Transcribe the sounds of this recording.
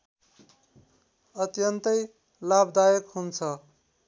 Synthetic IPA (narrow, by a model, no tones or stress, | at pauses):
ʌt̪jʌnt̪ʌj | labd̪ajʌkɦunt͡sʰʌ